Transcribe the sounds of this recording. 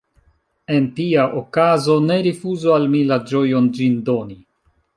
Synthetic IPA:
e̞ntiaʔokazo̞ne̞ɾifuzoalmilad͡ʒo̞jond͡ʒindo̞ni

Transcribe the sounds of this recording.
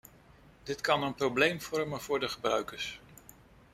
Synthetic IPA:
d̥ɪtkɑnənprowblejmv̥ɔɹmənv̥ʊːɹdəχəbrœ̰ɥkəɹs

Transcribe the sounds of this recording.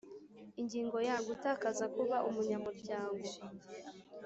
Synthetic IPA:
iɲɟiːŋɡo̞jaɡutaːkazakuβaʔumuɲamuɾɟaːŋɡo̞

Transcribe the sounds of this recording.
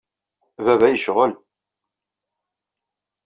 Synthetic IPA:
vævæjəʃʁəl

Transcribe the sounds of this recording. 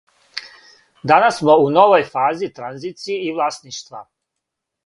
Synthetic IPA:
d̪anasːmo̞uno̞ʋojfaːzit̪ɾanziːt̪sieiʋlˠasniːʃt̪ʋa̰

